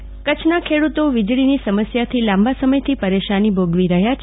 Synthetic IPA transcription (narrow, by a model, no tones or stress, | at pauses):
kət͡ʃʰnakʰeɽut̪oʋid͡ʒɭinisəməsjat̪ʰilãmbʱasəməjt̪ʰipəɾeʃanibʱoɡʋiɾəɦjat͡ʃʰ